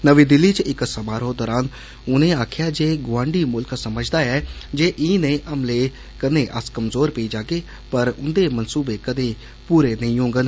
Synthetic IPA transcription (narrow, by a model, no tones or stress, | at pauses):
nəʋiːd̪ɪlːiːt͡ʃɪksəbaːɾɦoːd̪ɔːɾaːn | ʊnẽːaːkʰɪjaːd͡ʒeːɡʊʋãːɳɖiːmʊlksəməd͡ʒd̪aːɛːd͡ʒeːʔiːnẽːʔəmleː | kənẽːʔəskəmzoːɾpeiːd͡ʒaːkeː | pəɾʊ̰nd̪eːmənsuːbeːkəd̪eː | puːɾeːnəĩːɦõːŋɡən